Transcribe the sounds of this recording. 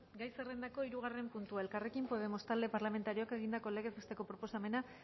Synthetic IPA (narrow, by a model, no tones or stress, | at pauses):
ɡajserend̪ako̞iɾuɣ̞are̞mpunt̪uaelkare̞kimpo̞ðe̞mo̞st̪ald̪e̞paɾlame̞nt̪aɾioake̞ɣ̞ind̪ako̞leɣezbest̪e̞ko̞pɾo̞po̞same̞na